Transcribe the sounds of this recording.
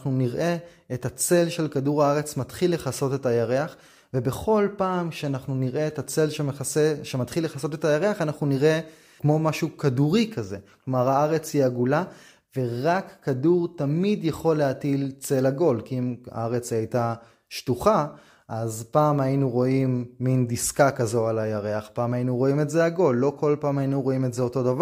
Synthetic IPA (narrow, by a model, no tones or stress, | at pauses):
χnuniʁʔe̞ː | tat͡se̞lʃe̞lkaduʁaaʁe̞t͡smatχilːe̞χaso̞te̞tajaʁe̞aχ | ve̞be̞χo̞lpaːmkʃeanaχnuniʁʔe̞etat͡se̞lʃemeeʃemat̪χilːe̞χaso̞t̪e̞tajaʁe̞aχanaχnuniʁe̞ | kmo̞maʃukaduʁikʰaze̞klomaʁaaʁe̞t͡shiaɡula | ve̞ʁakːaduʁtamidjaχo̞lːeatilt͡se̞laɡo̞lkiima̰aʁe̞t͡sajta | ʃtuχa | ʔazpaːmajinuʁo̞imːindiskakazo̞alajaʁe̞aχpaːmajinuʁo̞imetzeaɡo̞lːo̞kʰo̞lpaːmajinuʁo̞imetze̞o̞to̞dava